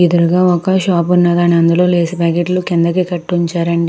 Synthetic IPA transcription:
id̪uɾuɡaːɔkɐʃaːpunːɐd̪aːniɐnd̪ulo̞ːleːsipaːkeʈlukind̪ɐkeːkɐʈːuɲt͡ʃaːɾɐɳɖi

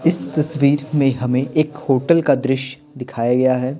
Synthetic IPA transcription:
ɪst̪ɐsʋiːɾmẽɦɐmẽʔeːkhoːʈəlkad̪ɾɪʃ | d̪ɪkʰaːjaɡɐjaɦɛː

